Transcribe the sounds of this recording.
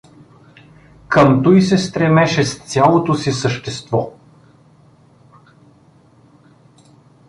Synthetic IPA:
kəmt̪ɔjsɛst̪ɾɛmɛʃɛst̪sʲjalˠot̪osisəʃt̪ɛst̪vɔ

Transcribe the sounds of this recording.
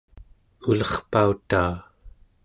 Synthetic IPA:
ulʌχpaut̪aː

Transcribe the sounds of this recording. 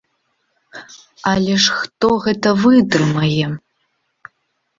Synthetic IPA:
alʲɛʂxt̪oɣɛt̪ɐvɨd̪rɨmɐjɛ

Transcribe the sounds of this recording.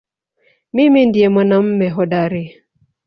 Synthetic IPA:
mimin̩diemanam̩mɛɦɔdaɾi

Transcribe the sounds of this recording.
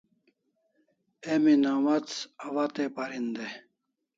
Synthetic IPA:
eminaːmɐt͡sɐwat̪epaɾind̪e

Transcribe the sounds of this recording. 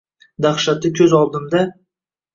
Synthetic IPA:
d̪aχʃat̪ɪkʲʰɵzɒlˠd̪ɨmd̪a

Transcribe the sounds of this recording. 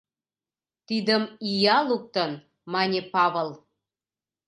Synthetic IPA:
t̪id̪əmijɑluk̚t̪ən | mɑnʲepɑβəlˠ

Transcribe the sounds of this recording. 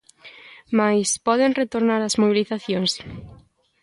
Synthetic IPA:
majspɔðeŋret̪oɾnaɾɐzmoβiliθaθjoŋs

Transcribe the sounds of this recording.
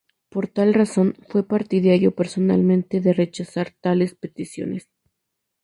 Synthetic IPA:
po̞ɾt̪alraso̞nfwe̞paɾt̪iðaɾjo̞pe̞ɾso̞na̰lmẽnt̪e̞ðe̞re̞t͡ʃasaɾt̪ale̞spe̞t̪isjo̞̰nes

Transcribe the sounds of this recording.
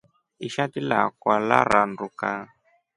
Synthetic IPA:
iʃatila̰kwala̰ɾanduka

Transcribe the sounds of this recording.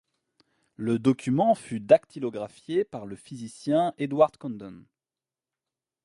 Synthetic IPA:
ləd̪ɔkʲymɑ̃fyd̪akt̪ʰilɔɡʁafjepaʁləfizisjɛ̃ed̪waʁd̪kɔ̃nd̪ɔn

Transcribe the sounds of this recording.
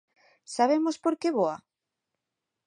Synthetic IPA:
saβ̞emospoɾkeβoa

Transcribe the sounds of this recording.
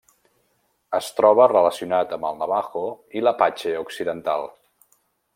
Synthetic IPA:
əst̪ɾɔβ̞ərələsiunat̪əmbəlˠnəβaxoiləpat͡ʃeuksiðənt̪alˠ

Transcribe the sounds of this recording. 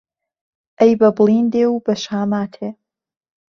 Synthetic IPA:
ɐjbɐblindewbɐʃaːmaːtʰe

